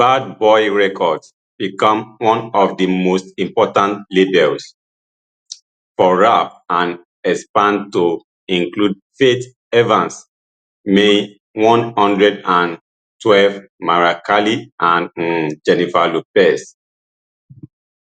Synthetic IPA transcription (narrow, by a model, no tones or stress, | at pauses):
b̥ad̚bɔjɹɛkʰɔds | b̥ikɔ̃mwɔ̃nɔvdimostĩmpɔtãntlebɛls | fɔɹafãn | ɛspãntu | ĩŋklud̚ | fet | ɛvãns | me | wɔ̃nhɔ̃ndɹɛdãn | twɛlv | maɹakaliʔãnd͡ʒɛnifalupɛs